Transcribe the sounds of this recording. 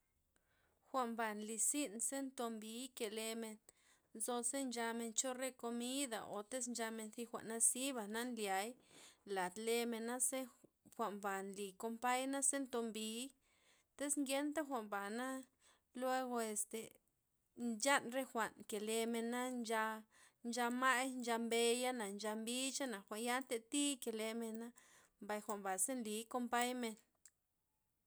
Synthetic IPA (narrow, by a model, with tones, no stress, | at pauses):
xʷa˨ʔmba˨nli˧si˦nse˦nt̪o˧mbi˧˦ke˨le˧me˧n | nzo˧se˦nd͡ʒa˧me˧nt͡ʃo˦ɾe˦ko˧mi˦d̪a̰˨ʔo̰˨t̪e˦snd͡ʒa˧me˧nθi˦˧xʷa̰˨ʔna˦si˦ba˨na˦nlja˨jla˨t̪le˧me˧nːa˦se˦ | xʷa˨mba˨nli˨ko˧mpa˦jna˦se˦nt̪o˧mbi˧˦ | t̪e˦sŋɡje˦nt̪a˦xʷa˨mba˨na˦ | lwe˧ɡo˧e˨st̪e˨ | nd͡ʒa˦nɾe˦xʷa˨ʔnke˨le˧me˧nːa˦nd͡ʒa˧ | nd͡ʒa˧ma˦jnd͡ʒa˧mbe˧ja˦na˨nd͡ʒa˧mbi˦t͡ʃa˦na˨xʷa˨nja˦nt̪e˧t̪i˦ke˨le˧me˧nːa˦ | mba˧˨jxʷa˨mba˨se˦nli˨˦ko˧mpa˦jme˧n